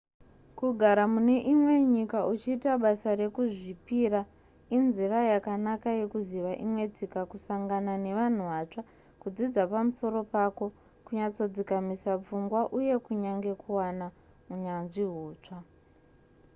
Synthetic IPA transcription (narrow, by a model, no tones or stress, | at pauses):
kuɡʱaɾamune̞ʔimwe̞ɲikaut͡ʃiːtaɓasaɾe̞kuʐipiɾa | inzirajakanakaje̞kuziʋaʔimwe̞d͡zikakusaŋɡanane̞ʋan̤uʋat͡ʂa | kud͡zid͡zapamuso̞ɾo̞pako̞ | kuɲat͡so̞d͡zikamisap͡fuŋɡwaʔuje̞kuɲaŋɡe̞kʰuwana | uɲanʐiɦuːt͡ʂa